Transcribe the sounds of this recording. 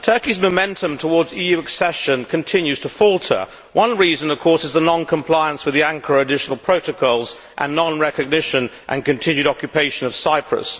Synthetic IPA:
tʰɜ˞kizməʊmɛ̃ntʰə̃mtʰəwɔɹdziːjʉɨksɛʃə̃nkʰə̃ntʰɪ̃njʉz̥tʰəfɔlˠtʰə̰˞ | wʔʌ̃nɹizə̃nʌv̥kʰɔɹsɨzðənɑ̃nkʰə̃mpʰl̥aɪə̃nswɨðiæ̃ŋkʰəɹʊɨdɪʃənəlˠpʰɹ̥oʊɾəkʰɔlˠz | ʔə̰̃nːɑ̃nɹɛkɨɡ̚nɪʃə̃nʔə̰̃nkɨ̃ntʰɪ̃njʉɾɑkjɨpʰeɪʃɨ̃nʌv̥saɪpʰɹə̰s

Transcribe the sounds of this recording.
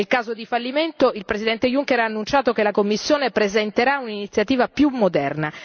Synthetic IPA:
elkaːzod̪ifalːiment̪oilpɾezid̪ɛnt̪ejuŋkeɾaːnːunt͡ʃaːt̪okelakomːisːjoːnepɾezɛnt̪eɾauninit̪sːjat̪iːvapjumːod̪ɛrna

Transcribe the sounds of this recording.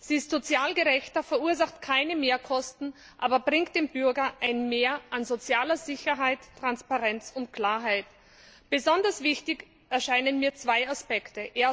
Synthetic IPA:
z̥iːɪstz̥ot͡sjaːlɡəʁɛçtɐfɛɐuːɐzaχtkʰaɪnəmeːɐkʰɔstn̩ | ʔaːbɐbʁɪŋkt̚d̥eːmbʏɐɡɐʔaɪnmeːɐʔanzot͡sjaːlɐzɪçɐɦaɪtːʁ̥anspaʁɛnt͡sʊntkʰl̥aːɐɦaɪt | b̥əzɔndɐsv̥ɪçtɪç | ʔɛɐʃaɪnənmiːɐt͡sv̥aɪaspɛktəʔeːɐ

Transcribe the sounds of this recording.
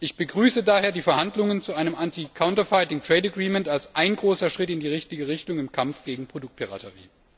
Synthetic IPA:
ʔɪçb̥əɡʁyːsədaːheːɐdiːfɛɐhandlʊŋənt͡suʔaɪnəmʔantikʰaʊntɐfaɪtɪŋtʁ̥ɛɪtaɡʁiːmɛntalsʔaɪnɡʁoːsɐʃʁ̥ɪtɪndiːʁɪçtɪɡəʁ̞ɪçtʊŋɪmkʰamfɡ̥eːɡŋ̩pʁ̥odʊk̚t̚pʰiʁa̰tʰəʁḭː

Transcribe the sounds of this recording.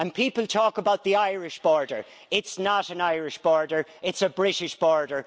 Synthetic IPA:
ə̃npʰiːpəlˠtʰɔːkəbaʊt̪̚ðiaɪɹɪʃb̥ɔɹdə̰˞ | ɪtsnəɾə̃naɪɹɪʃb̥ɔːɹdə˞ɪtsəbɹɪɾɪʃb̥ɔɹdə˞

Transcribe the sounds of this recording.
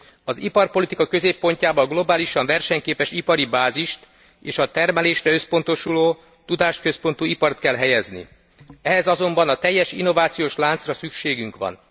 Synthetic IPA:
ɒzipɒrpo̞lit̪ikɒkøzeːpːo̞ɲcaːbɒlɡlo̞baːliʃɒɱvɛrʃɛɲkeːpɛʃipɒɾibaːziʃt̪ | eːʃɒt̪ɛrmɛleːʃrɛøspo̞nt̪o̞ʃuloː | t̪ud̪aːʃt̪̚køspo̞nt̪uipɒrt̪kɛlɦɛjɛznḭ | ɛɦɛzɒzo̞mbɒnɒt̪ɛjːɛʃḭnːo̞vaːt̪sijoːʃlaːnt̪srɒsykʃeːɡyŋkʋɒ̰n

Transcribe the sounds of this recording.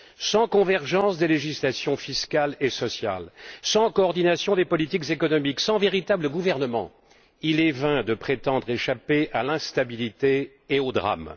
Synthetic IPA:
sɑ̃kɔ̃vɛʁʒɑ̃sd̪eleʒislasjɔ̃fiskʲalesɔsja̰lsɑ̃kɔːʁd̪inasjɔ̃d̪epɔlit̪ikzekɔnɔmiksɑ̃veʁit̪abləɡuvɛʁnəmɑ̰̃ | ilɛvɛ̃d̪əpχet̪ɑ̃d̪ʁeʃapeʔalɛ̃st̪abilit̪eː | od̪ʁa̰m

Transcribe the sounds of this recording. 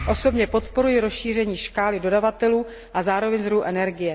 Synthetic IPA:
ʔo̞so̞bɲɛpo̞t̪po̞ɾujɪɾo̞sʃiːr̝ɛɲiːʃkaːlɪdo̞davat̪ɛluː | ʔazaːɾovɛɲzɾuʔɛnɛɾɡɪjɛ

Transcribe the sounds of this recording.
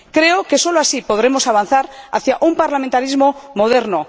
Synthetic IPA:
kɾe̞oke̞so̞loasipo̞ð̞ɾe̞mo̞saβ̞an̟θaɾa̰θjaʔumpaɾlamẽnt̪aɾizmo̞mo̞ð̞e̞ɾno

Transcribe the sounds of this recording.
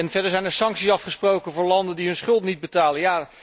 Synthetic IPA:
ɛnvɛɹdəɹzɛjnɛɹsɑŋksisɑfχəsprowkənvʊːɹlɑndəndiɦɵnsχɵlˠtnid̚bətaːlənjaː

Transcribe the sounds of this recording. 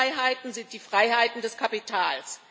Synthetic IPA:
ɪɦaɪtn̩zɪnt̚d̥iːfʁ̥aɪhaɪtn̩dɛskʰapitʰaːls

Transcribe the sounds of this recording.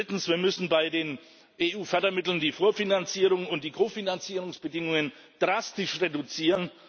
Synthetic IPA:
ɪtn̩sv̥iːɐmʏsn̩baɪdeːn | ʔeːʔuːfœɐdɐmɪtl̩ndiːfoːɐfinant͡siːʁʊŋʊnt̚d̥iːkʰoːfinant͡siːʁʊŋsb̥ədɪŋʊŋən | d̥ʁastɪʃʁedut͡siːʁən

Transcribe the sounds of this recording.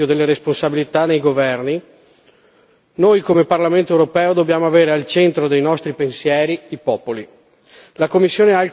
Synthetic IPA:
od̪elːeɾesponsabilit̪anejɡovɛrni | nojkomeparlament̪oɛwɾopɛːod̪objaːmoaveːɾealt͡ʃent̪ɾod̪ejnɔst̪ɾipensjɛːɾiipɔːpoli | lakomːisːjoːnea

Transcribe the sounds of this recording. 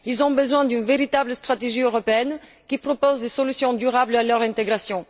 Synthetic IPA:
ilzɔ̃bəzwɛ̃d̪ynveʁit̪abləst̪χat̪eʒiøʁɔpeɛn | kʲipχɔpozd̪esɔlysjɔ̃d̪yʁablalœʁɛ̃t̪eɡʁasjɔ̃

